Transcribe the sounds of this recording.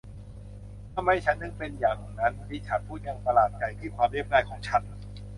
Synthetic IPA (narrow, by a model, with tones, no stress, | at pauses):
a˧˩ma˥˩jt͡ɕʰa˦˥nːɯ˧˥ŋpe˧njaː˨˩ŋna˧˥nt̪ʰiː˥˩t͡ɕʰa˦˥n̚pʰuː˥˩t̪̚ja˧ŋpa˧laː˨˩t̪̚t͡ɕa˧jt̪ʰiː˥˩kʰwaː˧mli˥˩p̚naː˧˩jkʰɔː˩˦ŋt͡ɕʰa˦˥n